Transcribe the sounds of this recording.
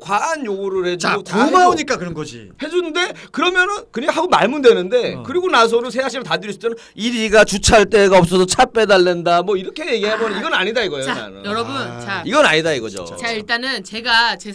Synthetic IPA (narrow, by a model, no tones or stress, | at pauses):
kwaanjoɡoɾɯhe̞doomaoɲik͈akɯɾʌnɡʌd͡ʑḭ | he̞d͡ʑunnde̞kɯɾʌmjʌnɯnkɯɲiɡahaɡomaɭmundwe̞nɯnde̞kɯɾiɡonas̬ʰonɯns̬ʰeaɕʰinɯɭtadɯɾis͈ʰi̥t͈ʰenniɾiɡat͡ɕut͡ɕʰaɭt͈e̞ɡaʌp̚s͈ʌdʰot͡ɕʰap͈e̞daɭːe̞ndamwʌiɾʌkʰe̞je̞ɡiɦabʌnɯniɡʌnɯaɲidaiɡʌjona̰nɯ̰jʌɾʌbunaiɡʌna̰ɲidaiɡʌd͡ʑo̰eiɭt͈anɯnt͡ɕe̞ɡat͡ɕe